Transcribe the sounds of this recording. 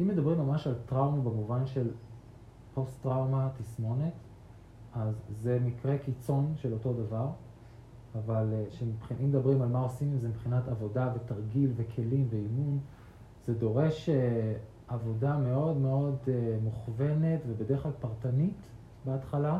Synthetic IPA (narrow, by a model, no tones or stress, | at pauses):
ʔimːe̞dabʁimːamaʃaltʁawmabemuvanʃe̞l | po̞stʁawmatismo̞net | azːe̞mikʁe̞kit͡so̞nʃe̞lo̞to̞davaʁ | avalʃemipχiʔimːed̪abʁimalmao̞simizemibpχinatavo̞davetaʁɡilve̞kʰe̞limve̞imun | zedo̞ʁe̞ʃe | avo̞dame̞o̞dme̞o̞demuχve̞ne̞tve̞bedeeχlalpaʁtanit | beatχala